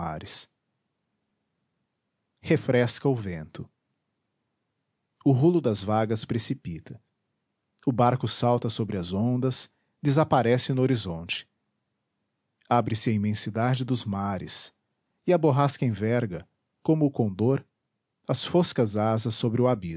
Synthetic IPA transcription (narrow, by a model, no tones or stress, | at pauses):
a̰ɾɪs | hefɾɛskɐʊvẽnt̪ʊ | ʊɦulʊd̪ɐzvaɡɐspɾesipit̪ʰɐ | ʊbaɾkʊsawt̪ɐsobɾɪɐzõnd̪ɐs | d̪ezapaɾɛsɪnʊoɾizõnt͡ʃɪ̥ | abɾɪsɪɐĩmẽsid̪ad͡ʒɪd̪ʊzmaɾɪ̰s | ɪɐboɦaskɐẽvɛɾɡɐ | kõmʊːkõnd̪oɾ | ɐsfoskɐzazɐsobɾɪʊabi